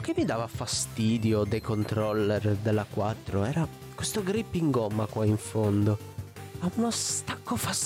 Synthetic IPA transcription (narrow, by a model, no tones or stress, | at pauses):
k̟emːid̪aːvafast̪iːd̪jod̪ejkont̪ɾɔlːerd̪elːakwat̪ːɾoɛːɾa | kwest̪oɡɾipːiŋɡɔmːakwaiɱfond̪o | maunost̪akːofas